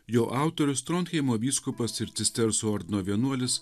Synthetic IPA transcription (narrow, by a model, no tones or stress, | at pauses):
joːʔɑˑʊt̪oɾʲʊst̪ɾɔːnt̪xʲɛɪmuːʋʲiːskʊpɐsɪɾt̪ʲɪsʲt̪ʲɛɾsuɔɾʲd̪ʲnoːʋʲiɛnuɔlʲɪs